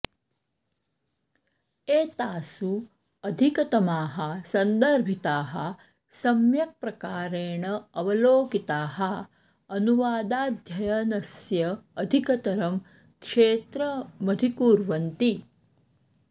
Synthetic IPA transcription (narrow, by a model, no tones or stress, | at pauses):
eːt̪aːsu | ɐd̪ʱikɐt̪ɐmaːɦɐsɐnd̪ɐɾbʱit̪aːɦɐ̰ | sɐmjɐk̚pɾɐkaːɾeːɳɐɐʋɐloːkit̪aːɦɐ̆ | ɐnuʋaːd̪aːd̪ʱjɐjɐnɐsjɐːd̪ʱikɐt̪ɐɾɐm | kʂeːt̪ɾɐmɐd̪ʱikuːɾʋɐnt̪i